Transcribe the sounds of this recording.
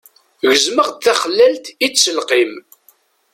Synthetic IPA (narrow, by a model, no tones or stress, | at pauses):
ʝəzməʁd̪θæχəlːælt̪isəlqim